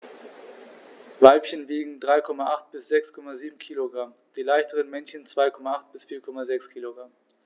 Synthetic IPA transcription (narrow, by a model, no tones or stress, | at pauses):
vaɪpçənviːɡŋ̩dʁaɪkʰɔmaʔaχt̚b̥ɪsz̥ɛkskʰɔmaziːbm̩kʰiːloɡʁam | d̥iːlaɪçtəʁənmɛnçənt͡sv̥aɪkʰɔmaaχt̚b̥ɪsfiːɐkʰɔmazɛkskʰiːloɡʁam